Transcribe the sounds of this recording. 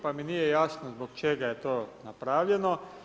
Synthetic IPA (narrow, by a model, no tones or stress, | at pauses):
paminiːjɛjaːsnɔzbɔkt͡ʃeːɡajɛt̪oːnapɾaːwʎjɛnɔ